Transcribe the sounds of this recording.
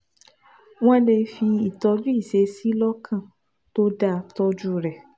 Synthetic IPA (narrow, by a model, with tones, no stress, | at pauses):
w̃ɔ̃˦le˧fi˧i˨tɔ˧d͡ʒu˦i˦˨se˧˦si˦lɔ˦kʰã˦˨ | to˦da˧˨tɔ˧d͡ʒu˦ɾɛ˨